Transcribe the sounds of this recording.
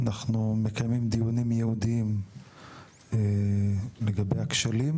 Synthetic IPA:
anaχnume̞kajmimd̪ijunimjehud̪iim | e | leɡabejakʃalim

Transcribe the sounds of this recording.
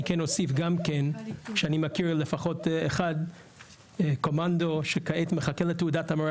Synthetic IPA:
ikeno̞sifɡamkenʃeanimakiɹlefaχo̞teχad̪ | ko̞mando̞ʃekaetmeχakeletːeudatama

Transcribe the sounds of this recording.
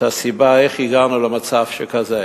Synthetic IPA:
asibaeχiɡanulemat͡savʃekaze

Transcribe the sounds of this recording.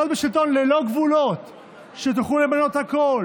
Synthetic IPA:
ot̪̚beʃilt̪o̞nlelo̞ɡvulot̪ | ʃet̪̬oχulemano̞t̪hakol

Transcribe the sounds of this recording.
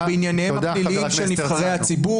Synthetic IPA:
beinjanejmalilimʃenivχaʁejhat͡sibu

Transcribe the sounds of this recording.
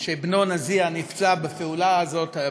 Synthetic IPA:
ʃebno̞nazianift͡sabefeulaːzo̞ta

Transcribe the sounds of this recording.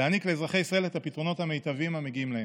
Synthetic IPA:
anikleːzʁaχe̞jisʁaelet̪apitʁo̞no̞thamejtavimame̞ɡiimlahe

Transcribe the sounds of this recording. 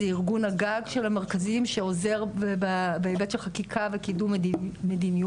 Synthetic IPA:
eiʁɡunhaɡaɡʃelameʁkazimʃeo̞ze̞ʁbabeebetʃelχakikʰavekidumdimedinij

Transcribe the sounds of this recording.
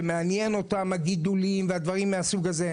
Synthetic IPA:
meanjeno̞tamhaɡid̪ulimvead̪vaʁimːeasuɡaze̞

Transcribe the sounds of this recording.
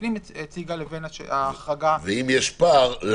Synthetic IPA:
nimet͡siɡalevenaʃḛaχaɡaveimjɛʃpaʁl

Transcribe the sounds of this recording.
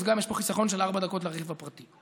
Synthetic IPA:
zɡamjeʃpo̞χisaχo̞nʃelaʁbad̪ako̞tleaʁevapʁat̪i

